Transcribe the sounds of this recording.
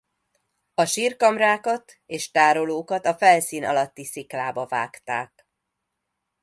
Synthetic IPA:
ɒʃiːrkɒmraːkɒt̪ | eːʃt̪aːɾo̞loːkɒt̪ɒfɛlsiːnɒ̰lɒt̪ːisiklaːbɒva̰ːkt̪aːk

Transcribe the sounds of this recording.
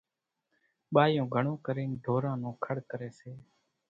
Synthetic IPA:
ɓaːjõːɡʱəɳõːkəɾeːnɖ̪ʱoːɾãːnũːkʰəɽkəɾeːseː

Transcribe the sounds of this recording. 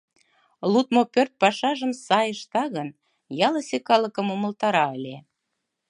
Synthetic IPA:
lut̪mopørt̪̚pɑʃɑʒəmsɑjəʃt̪ɑɣən | jɑlə̆sʲekɑlə̆kəmomə̆lt̪ɑɾɑəlʲe

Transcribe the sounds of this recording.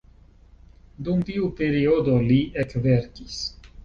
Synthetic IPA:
dumt̪iupe̞ɾiodo̞liekve̞ɾkis

